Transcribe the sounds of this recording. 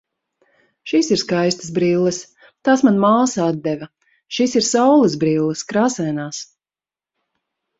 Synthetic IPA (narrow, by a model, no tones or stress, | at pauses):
ʃiːsiɾskajst̪ə̥sbɾiːlˠːɐs | t̪aːsmanmaːsaad̪̚d̪ɛvɐ | ʃiːsiɾsawlˠɐzbɾiːlˠːɨskɾaːsɛnaːs